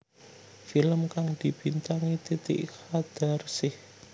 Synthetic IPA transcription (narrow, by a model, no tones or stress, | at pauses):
filəmkaŋd̪̥i̤b̥int̪aŋit̪it̪ɪ̰ʔhad̪̥a̤rsɪh